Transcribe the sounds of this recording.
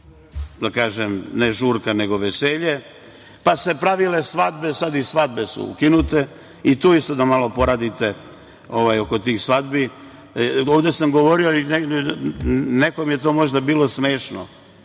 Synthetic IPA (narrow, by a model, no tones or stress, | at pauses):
d̪akaːʒemneʒuːɾkane̞ɡo̞ʋeseʎe | pase̞pɾaʋile̞sʋad̪be̞sad̪isʋad̪be̞sṵṵkinut̪e̞ | it̪uːist̪od̪amalo̞po̞ɾad̪it̪e̞ | o̞ʋajoko̞t̪iːxsʋad̪bi | oːʋd̪e̞samɡo̞ʋo̞ɾioine | nekomijet̪omo̞ʒd̪abiːlˠo̞sme̞ːʃno̰